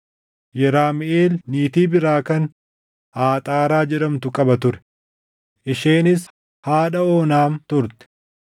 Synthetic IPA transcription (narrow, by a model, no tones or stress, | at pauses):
jɛɾaːmɪʔeːlniːt̪iːbɪɾaːkɐn | haːt̪ʼaːɾaːd͡ʒɛɗɐmt̪ʊkʼɐbɐt̪ʊɾɛ̥ | ʔɪʃeːnɪs | haːᶑɐoːnaːnt̪ʊɾt̪ɛ̥